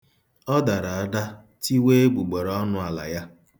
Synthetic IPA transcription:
ɔ˦da˨ɾa˨a˦da˦ | ti˦we˦e˦ɡ͡bu˨ɡ͡be˨ɾɔ˦nʊ˦a˨la̰˨ja˦

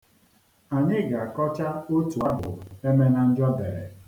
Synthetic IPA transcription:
a˨ɲɪ˦ɡa˨kɔ˦t͡ʃa˦o˦tu˨a˦bʊ̰˨e˦me˦na˨n̩˦d͡ʒɔ˦dḛ˨ɾḛ˨

